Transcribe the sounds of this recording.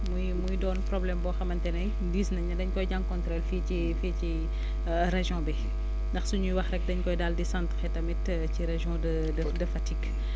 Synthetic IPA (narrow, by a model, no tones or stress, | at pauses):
mujmujdɔːnpɾɔblɛmbɔːxɐmɐntɛnɐj | diːsnɐɲɐdɐɲkɔjɟaŋkɔnt̪ɾɔlfii | fici | ɾeʒɔ̃bɛ | ndɐxsuɲujwɐxrɛk̚dɐɲkɔjdaldisãntxɛtɐmɛt | ciɾeʒjɔ̃dɐ | dɐdɐfɐtik